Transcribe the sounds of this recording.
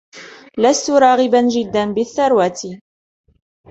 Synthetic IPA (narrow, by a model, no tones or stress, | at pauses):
last̪ʊɾˤɑːɣɪband͡ʒɪd̪ːanbɪθːɑɾˤwaːt̪ɪ